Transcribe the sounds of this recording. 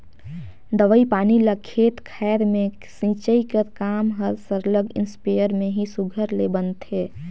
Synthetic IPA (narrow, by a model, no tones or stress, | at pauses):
d̪əʋəipaːniləkʰet̪kʰɛːɾmẽ | sĩːt͡ʃəikəɾkaːmɦəɾsəɾləɡɪ̰nspejəɾmẽɦisuɡʱəɾlebənt̪eː